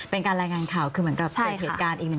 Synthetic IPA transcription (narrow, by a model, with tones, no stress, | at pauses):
pe˧nkaː˧nɾaː˧jŋaː˧nkʰaː˨˩wkʰɯː˧m˩˦ənka˨˩p̚t͡ɕʰa˥˧˩ɦeː˨kaː˧nʔiː˨˩nɨ˨˩˨